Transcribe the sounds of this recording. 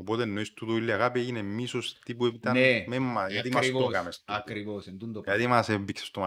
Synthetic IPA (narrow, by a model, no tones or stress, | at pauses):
opot̪enːo̞ist̪ut̪oilːiɐɣapieʝinemːisost̪ipuepit̪ɐnememːɐjɐt̪imɐsit̪okɐmesɐkɾivosend̪und̪ojɐt̪imɐsembiksest̪omɐ